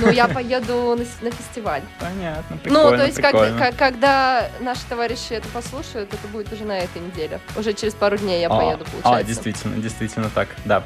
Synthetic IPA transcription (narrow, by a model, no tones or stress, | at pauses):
nujapɐjed̪ʊnənəfʲɪsʲtʲɪvalʲpɐnʲat̪nəpɾʲɪnut̪ojɪsʲt̪ʲɾkakolʲnəkɐkːɐɡd̪anaʂɨ̥t̪ɐvaɾʲɪɕːɪɛt̪əpɐslˠuʂəjʊt̪ɛt̪əbudʲɪt̪ʊʐɛnɐɛt̪əjnʲɪdʲelʲɪʊʐɛt͡ɕɪɾʲɪspaɾʊdʲnʲejjapɐjed̪ʊpəlˠʊt͡ɕadɪɪjsəvʲitʲɪlʲnə̰dʲɪjst̪vʲitʲɪlʲnət̪akd̪a